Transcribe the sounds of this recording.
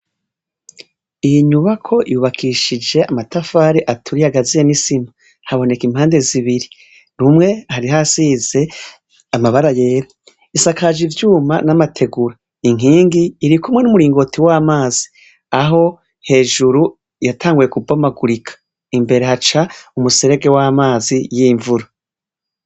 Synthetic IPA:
ijiɲuβakʰo̞ʔijuβakʰiːʃid͡ʒe̞ʔamatafaːɾiʔatʰuɾijaɡazijenisima | haβo̞ne̞kimhaːnde̞ziβiɾi | ɾumŋe̞haɾiɦasiːze̞ | amaβaɾaje̞ːɾa | isakʰaʒivjuːma̰namatʰe̞ɡuɾa | iŋiːŋɡiːɾikumwe̞numuɾiːŋɡo̞tʰiwaːmaːzi̥ | aɦo̞ | he̞ːʒuɾu | jatʰaːŋɡuje̞kubamaɡuɾikʰḁ | imbe̞ɾe̞hat͡ʃaumuseɾe̞ɡe̞waːmaːzijiɱvuɾo

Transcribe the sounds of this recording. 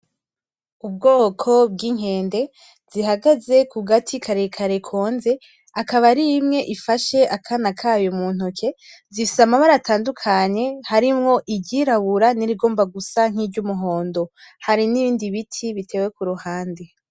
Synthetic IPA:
ub̚ɡo̞ːkʰo̞b̚ɡiŋ̥he̞ːnde̞ | z̥iɦaɡaze̞kuɡatʰikʰaɾekʰaɾekʰo̞ːnze̞ | akaβaɾimŋe̞ʔifaʃe̞ʔakʰanakʰaːjomuːn̥hukʰe̞zisamaβaɾatʰaːndukʰaɲe̞haɾimŋo̞ʔiɟiɾaβuɾaniɾiɡo̞ːmbaɡusaŋ̥iːbɟumuɦo̞ːndo̞ | haɾiniβiːndiβitʰiβitʰe̞ːwe̞kuɾuhaːnde

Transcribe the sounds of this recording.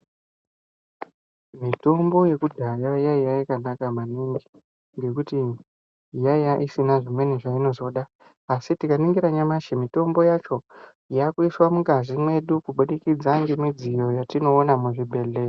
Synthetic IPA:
mito̞mbo̞je̞kudʱajajaijajikanakamaniŋɡi | ŋɡe̞kuti | jajaʔisinaʐimwe̞neʐaino̞zo̞ɗaː | sitikaniŋɡiɾaɲamaʃimito̞mbo̞jat͡ʃo̞ | jakuiswamuɡaʐimwe̞ɗukuɓuɗikid͡zaŋɡemid͡zijo̞jatino̞ːnamuʐibʱe̞ɮe̞ːri

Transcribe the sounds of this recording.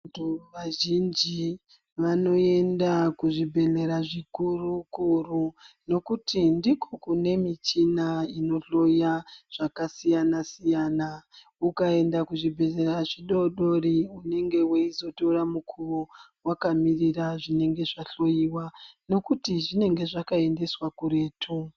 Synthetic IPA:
tʋaʒind͡ʒi | ʋano̞e̞ndakuʐibʱe̞ɮe̞ɾaʐikurukuruno̞kutindiko̞kune̞mit͡ʃinaino̞ɬo̞jaʐ̥akasijanasijana | ukae̞ndakuʐibʱe̞ɮe̞raʐiɗo̞ɗoriune̞ŋɡe̞weizo̞to̞ramukʰuro | wakamiriraʐine̞ŋɡe̞ʐaɬo̞jiwano̞kutiʐine̞ŋɡe̞ʐakae̞nde̞swakuɾe̞ːtʰu

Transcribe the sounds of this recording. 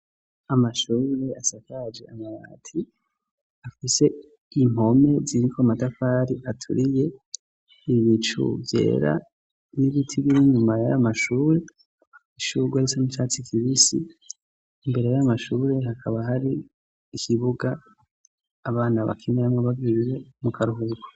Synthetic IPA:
amaʃuːɾe̞asakad͡ʒe̞amaɾa̰ːtʰi | afise̞ | im̥ho̞me̞ziɾikʰoamatafaːɾiatʰṵɾije | iβit͡ʃṵvje̞̰ːɾa̰ | niβitʰiɡiɾiɲumajaamaʃuːɾe̞ | iʃuɡwaɾisonit͡ʃaːt͡sikʰiβisḭː | mbe̞ɾe̞jamaʃuːɾe̞ɦhakʰaβaɦaɾiː | kʰiβuɡaː | βaːnaβa̰kʰineamŋeβaviɾiɾe̞mukʰaɾuɦuɡa

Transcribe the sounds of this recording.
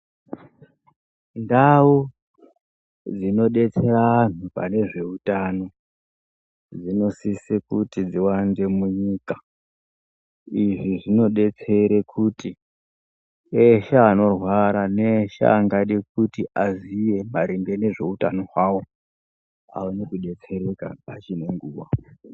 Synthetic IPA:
ndau | d͡zino̞ɗe̞t͡se̞ran̤upa̰ne̞ʐe̞utano̞ | d͡zino̞sisikutid͡ziwande̞muɲiːkḁ | iʐiʐino̞ɗe̞t͡se̞ɾekʰuti | eʃaːno̞rwaɾaneʃa̰ːŋɡaɗik̚utiʔazije̞maɾiŋɡe̞ne̞ʐe̞utano̞ɦwawo̞ | a̰wonekuɗe̞t͡se̞ɾeka̰pat͡ʃine̞ŋɡuːwa

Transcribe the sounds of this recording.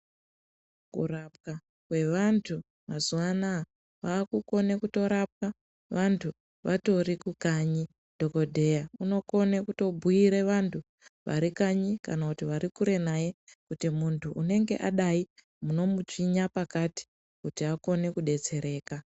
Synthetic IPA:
kṵrap̚ka | kwe̞ʋantʰu | mazuʋana | ʋaːkuko̞ne̞kuto̞ɾap̚ka | ʋantʰu | ʋʔato̞rikukaɲi | d̥ʱo̞ko̞dʱe̞jauno̞ko̞nekuto̞bʱujiɾe̞ʋantʰu | ʋa̰ɾikaɲikanakutiʋaɾikuɾe̞naje̞kutimuntʰuʔːne̞ŋɡe̞̰ʔaɗai | muno̞mut͡ʃiɲapakati̥ | kutiako̞ne̞kuɗe̞t͡se̞ɾe̞ːka

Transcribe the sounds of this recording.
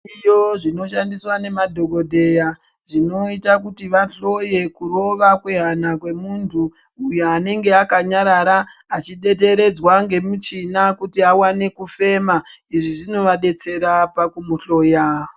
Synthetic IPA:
ijoʐino̞ʃandiswane̞madʱo̞ko̞dʱe̞ja | ʐino̞itakutiʋaɬo̞je̞kuro̞ʋakwe̞ɦanakwe̞muntʰuː | joane̞ŋɡe̞akaɲaɾaɾaːt͡ʃiɗe̞te̞ɾe̞d͡zwaŋɡe̞mut͡ʃinakutiawane̞kufe̞maiʐiʐino̞ʋaɗe̞t͡se̞ɾapakumuɬo̞ːja

